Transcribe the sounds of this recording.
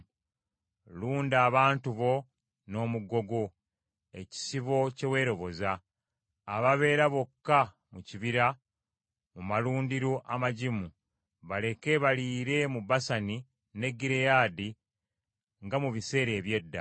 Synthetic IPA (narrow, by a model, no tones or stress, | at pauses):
luːndaːβaːntuβo̞ | no̞ːmuɡo̞ɡo̞ | e̞ci̥siβo̞ce̞we̞ːɾo̞βo̞zaː | βaβe̞ːɾaβo̞kːa | muciβiɾa | mumaluːndiɾoʔamaɟimu | βale̞ke̞βaliːɾe̞mubasani | ne̞ɡːiɾejaːdi | ŋɡamuβise̞ːɾe̞ːβje̞dːa̰